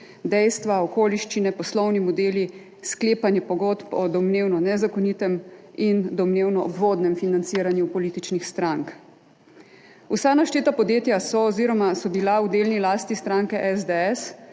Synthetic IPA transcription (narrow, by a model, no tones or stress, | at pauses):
d̪ɛjst̪ʋaɔkoːliʃt͡ʃinɛpɔslɔwnimɔd̪eːli | skleːpanjɛpɔɡot̪pɔd̪ɔmneːwnɔnɛzakɔnit̪ɛmind̪ɔmneːwnɔɔbʋoːd̪nɛmfinant̪siːɾanjupɔliːt̪it͡ʃnixst̪ɾaŋk | usanaʃt̪eːt̪apɔd̪jeːt̪jasɔːziːɾɔmasɔbilaud̪eːlnilaːst̪ist̪ɾaːŋkɛʔɛzd̪eɛs